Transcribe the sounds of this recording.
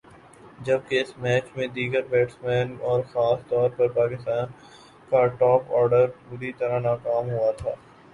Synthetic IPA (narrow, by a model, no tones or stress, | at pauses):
d͡ʒɐb̚keɪsmɛːt͡ʃmẽd̪iːɡəɾbɛːʈsmɛːnɔːɾxaːst̪ɔːɾpɐɾpaːkɪst̪aːn | kaʈɔːpɔːɾɖəɾbʊɾit̪ɐɾaɦnaːkaːmɦuat̪ʰaː